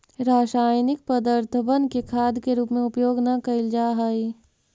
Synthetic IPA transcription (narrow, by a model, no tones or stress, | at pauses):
ɾaːʃaːjnɪk̚pɐd̪aɾt̪ʰəbənkekʰaːd̪keɾuːpmẽʊpjoːɡnɐkɐɪld͡ʒaːɦaːi